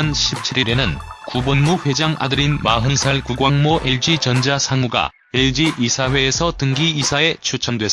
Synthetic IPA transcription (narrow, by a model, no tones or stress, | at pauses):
nɕʰip̚t͡ɕʰiɾiɾenɯnkubonmuɸwe̞d͡ʑaŋʔa̰dɯɾinmaɦɯnsʰaɭkuɡwaŋmoʔeɭd͡ʑit͡ɕʌnd͡ʑasʰaŋuɡa̰ | eɭd͡ʑiʔisʰaɸwe̞ːsʰʌtɯŋɡiisʰae̞t͡ɕʰut͡ɕʰʌndwe̞s͈